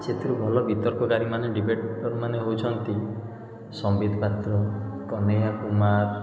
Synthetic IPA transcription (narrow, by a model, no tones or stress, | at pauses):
t͡ʃet̪ʰiɾubʱɔlɔbʱit̪ɔɾkɔɡaɾimaneɖibeʈɔɾumaneɦowt͡ʃʰɔnt̪i | sɔmbid̪ʱɔpat̪ɾɔkɔnejakumaɾ